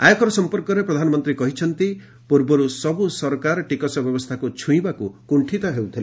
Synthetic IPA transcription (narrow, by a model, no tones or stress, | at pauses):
ajɔkɔɾɔsɔmpɔɾkɔɾepɾɔd̪ʱanɔmɔnt̪ɾikɔɦit͡ʃʰɔnt̪i | puɾbɔɾusɔbusɔɾkaɾɔʈikɔsɔbjɔbɔst̪ʰakut͡ʃʰũĩbakukuɳʈʰit̪ɔɦewt̪ʰile